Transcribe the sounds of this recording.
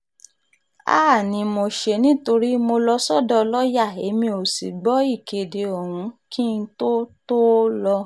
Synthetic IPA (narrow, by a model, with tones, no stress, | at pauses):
a̰ː˦˨nĩ˧˦mo˧ʃe˧nĩ˦to˧ɾi˦mo˧lɔ˧sɔ˦dɔ˦lɔ˦ja˦˨e˧˦mĩ˧o˨si˨ɡ͡bɔ˨˦i˦˨ke˨de˨o˨hũ˨˦ki˦n̩˦to˦to˦lɔ˧